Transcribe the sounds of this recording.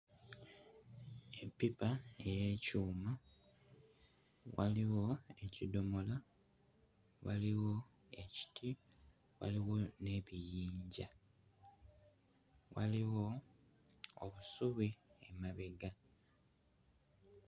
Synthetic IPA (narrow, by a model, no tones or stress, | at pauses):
epːipaejeːcuːma | waliwo̞e̞cido̞mo̞la | waliwo̞ | e̞ci̥tʰi | wa̰liwo̞ne̞βijiːɲɟa | wa̰liwo̞ | o̰βusuβiemaβeɡa